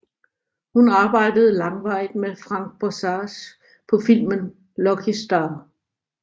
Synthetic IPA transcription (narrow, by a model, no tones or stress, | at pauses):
hunɑ̈ːb̥ɑ̈ɪ̰d̥əð̞ˠəlɑ̈ŋʋɑ̈ɪ̰d̥mefʁɑ̈ŋ̰ɡ̥̚b̥ɒsɑːs | pʰɒ̽fil̰mən | lɒɡ̥ʰisd̥ɑ